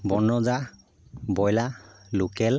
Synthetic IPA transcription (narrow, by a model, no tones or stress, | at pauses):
bɔnɔza | bɔjlalukɛl